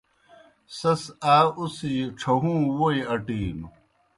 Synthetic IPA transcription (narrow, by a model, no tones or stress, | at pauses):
sɐsaːusiʈ͡ʂʰɐɦũːwoiɐʈiːm